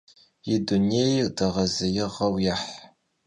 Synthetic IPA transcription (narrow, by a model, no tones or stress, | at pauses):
idunejdɐʁɐzɐjɪʁɐwjaħ